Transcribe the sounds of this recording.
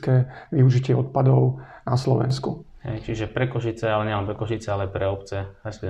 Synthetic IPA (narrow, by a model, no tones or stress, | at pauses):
kɛːʋiuʒicɪɛɔt̪̚pad̪ɔʊnaslɔʋɛ̰nskuɦɛ̰jt͡ʃiʒɛpɾɛkɔʃit͡sɛalɛɲɛlɛnmpɾɛkɔʃit͡sɛalɛapɾɛɔpt͡sɛɛs